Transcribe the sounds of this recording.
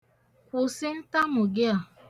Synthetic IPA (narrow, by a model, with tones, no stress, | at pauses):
ʊ˨sɪ˦n̩˦ta˦mʊ˨ɡɪ˦a˨